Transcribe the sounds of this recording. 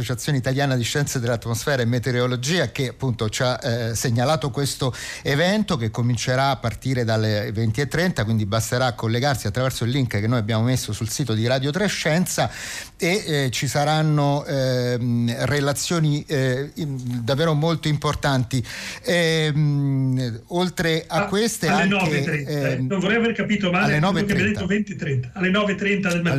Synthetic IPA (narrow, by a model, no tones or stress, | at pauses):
ot͡ʃat̪sjoːneit̪aljaːnad̪iʃːɛnt̪sad̪elːat̪ːmosfɛːɾaemːet̪eɾolod͡ʒiːakeapːunt̪ot͡ʃaseɲːalaːt̪okwest̪oevɛnt̪okekːomint͡ʃeɾaːpːart̪iːɾed̪alevent̪iet̪ːɾɛnt̪akwind̪ibast̪eɾaːkːolːeɡarsiat̪ːɾavɛrsoilːiŋkkenːojabːjaːmomesːosulsiːt̪od̪iɾaːd̪jot̪ɾeʃːɛnt̪sa | et͡ʃisaɾanːo | relat̪sːjoːni | d̪avːɛːɾomolt̪oimport̪ant̪i | m | olt̪ɾeakːwest̪elaŋnɔeɾɛnonvoɾɛjaverkapiːt̪omaalːenɔːvetkeɾjad̪et̪ːovɛnt̪it̪ːɾɛnt̪aːlːenɔːvet̪ːɾɛnt̪ad̪elma